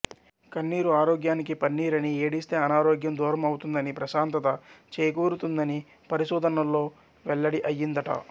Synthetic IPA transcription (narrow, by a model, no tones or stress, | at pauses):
kɐnːiːɾuaːɾoːɡjaːnik̬ipɐnːiːɾɐnieːɽist̪e̞ːɐnaːɾoːɡjɐmd̪uːɾɐmɐwut̪und̪ɐnipɾɐʃaːnt̪ɐt̪ɐt͡ʃeːjɐkuːɾut̪und̪ɐni | pɐɾiʃuːd̪ʱɐnɐlːo̞ː | ʋɛɭːɐɽiʔɐjːind̪ɐʈɐ̰